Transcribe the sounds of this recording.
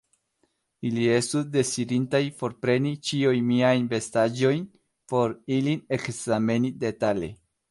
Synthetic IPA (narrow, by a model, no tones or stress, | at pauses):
ilie̞stusde̞sidintajfo̞ɾpɾe̞nit͡ʃiujmiajnbe̞stad͡ʒo̞jn | po̞ɾiline̞kzame̞nide̞tale̞̰